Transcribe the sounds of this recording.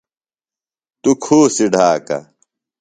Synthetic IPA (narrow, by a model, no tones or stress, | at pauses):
t̪ukʰuːsiɖʱaːkɐ̰